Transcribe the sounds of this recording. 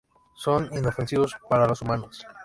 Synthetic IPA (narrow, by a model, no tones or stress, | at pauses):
so̞nino̞fe̞nsiβospaɾalo̞sumano̞s